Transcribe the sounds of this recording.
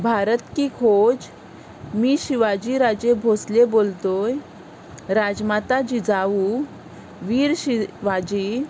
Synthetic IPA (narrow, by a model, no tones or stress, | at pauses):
bʱaɾət̪kikʰod͡z | miːɕiʋad͡ʑiɾad͡ʑebʱoslebolt̪oj | ɾad͡ʑmat̪ad͡ʑid͡zaʋu | ʋiːɾɕiʋad͡ʑi